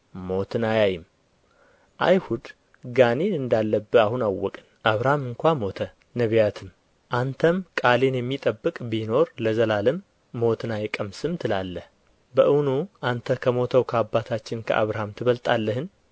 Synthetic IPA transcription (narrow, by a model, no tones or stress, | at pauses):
mo̞t̪ɨnajajɪm | ʔa̰jhud̪ | ɡanenɨnd̪alːəbːɨahunawːɔkʼɨnʔaβɾahamɨŋkʷamo̞t̪ʰə | nəβijat̪ʰɨm | ʔant̪ʰəmkʼalenjɛmːit̪ʼəbːɨkʼbino̞ɾləzəlalɨmː | o̞t̪ʰɨnajɛkʼəmsɨmt̪ʰɨlalːəh | bəʔɨwnuʔant̪ʰəkʰəmo̞t̪ʰəwkʰəabːat̪ʰat͡ʃːɪnkʰə̰ʔa̰βɾahamt̪ʰɨβəlt̪ʼalːəhɨn